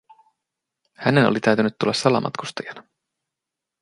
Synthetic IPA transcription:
hæne̞nolit̪æɥt̪ynyt̪ːulːɑsːɑlɑ̰mʔɑ̰t̪kust̪ɑjɑnɑ

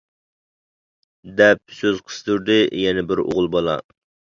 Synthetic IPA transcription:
d̪ɛp̚søzqʰə̥st̪ʰuɾd̪ɪjɛnɛbɪɾo̰ʁlˠbɑlˠɑ̰

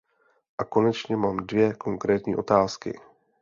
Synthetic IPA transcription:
ʔako̞nɛt͡ʃɲɛmaːmdvjɛkʰo̞ŋkɾɛːt̪ɲiːʔo̞t̪aːskɪ̰

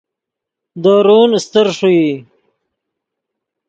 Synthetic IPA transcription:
d̪aːɾuːnst̪əɾʂui

